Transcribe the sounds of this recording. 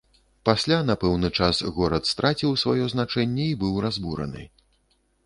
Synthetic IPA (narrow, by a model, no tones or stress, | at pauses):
pasʲlʲan̪apɛwnɨt͡ʂasɣɔɾɐt̪st̪ɾat͡sʲiwsvajɔznat͡ʂɛnʲːɛibɨwrazbuɾɐ̰nɨ̰